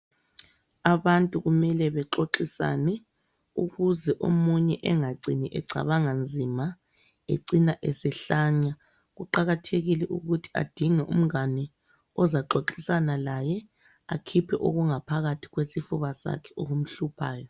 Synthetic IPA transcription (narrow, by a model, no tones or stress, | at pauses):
aβantʼuɣumɛlɛβɛǁoǁisa̰nɛ | uɣuzɛʔo̰muɲɛʔɛŋaǀʱiniʔɛǀʱa̰βaŋand͡zʱima | ḛǀinaʔɛsɛɬaɲa | ɣuǃaɣatʰeɣilɛʔuɣutʰi̥a̰d̥ʱiŋɛʔṵm̩ɣanɛ | ɔzaǁoǁisanalajɛ | akʰipʰɛʔoɣuŋapʰaɣatʰi̥ɣwesifuβasa̰kʰɛ̥oɣum̩ɬupʰaːjɔ